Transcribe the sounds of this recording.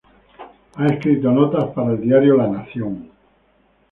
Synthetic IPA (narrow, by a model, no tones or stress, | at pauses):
aeskɾit̪onɔt̪aspaɾaeld̪iaɾjolanaθjoŋ